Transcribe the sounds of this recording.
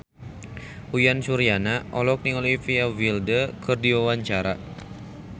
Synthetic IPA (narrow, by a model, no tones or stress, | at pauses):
ujansuɾianaʔɔlɔk̚niɔlifiawildəkʰɨrdiwawaɲt͡ʃaɾa̰